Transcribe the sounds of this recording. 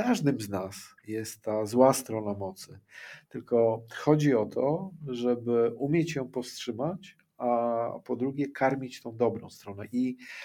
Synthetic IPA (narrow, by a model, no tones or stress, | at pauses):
aʐd̪ɘmznasjɛst̪ːazwast̪ɾɔnamɔt̪sɘt̪ɘlkɔxɔd͡ʑiɔt̪ʰɔʐɛbɘʔumʲjɛt͡ɕjɔ̃w̃pɔfstʂɘmat͡ɕ | apɔd̪ɾuɡʲɛkʰaɾmʲit͡ɕt̪ɔ̃w̃d̪ɔbɾɔ̃w̃st̪ɾɔnɛʔi